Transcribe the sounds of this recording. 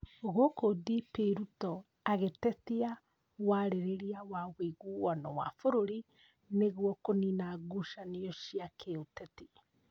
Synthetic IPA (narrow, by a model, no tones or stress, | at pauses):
oɣokodipeɾutɔ | aɣetɛtia | waɾeɾeɾiawaɣweɣuwanɔwa̰foɾoɾi | neɣwɔkoninaɡuʃaniɔʃiakʰeotɛti